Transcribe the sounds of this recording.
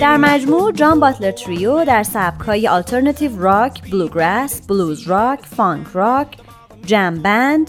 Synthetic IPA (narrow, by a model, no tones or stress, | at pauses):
d̪̥æɾmæd͡ʒmuːd͡ʒɒːnbɒːt̪ʰleɾt̪ʰɾijod̪æɾsæb̥̚kʰɒːjeʔɒlt̪ʰeɾnɑt̪ʰivrɒkʰbluːɡɾæsb̥luːzɾɒcʰfɒŋkʰrɒːcʰ | d͡ʒæmbænd̪̥